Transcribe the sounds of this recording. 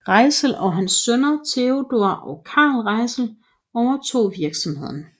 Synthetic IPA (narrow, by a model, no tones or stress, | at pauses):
ʁɑ̈ɪsl̩ɒ̽ɦænsːønɐt͡sʰe̝od̥o̝ɐ̰ʔɒ̽kʰɑ̈ːlʁɑ̈ɪsl̩ | ɒʊɐt͡sʰo̝̰ːʋiɐɡ̥sɒ̽mhe̝ð̰ˠɐn